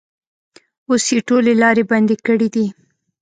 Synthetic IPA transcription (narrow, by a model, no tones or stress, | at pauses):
osjeʈolelɑɾeband̪ekəɽid̪i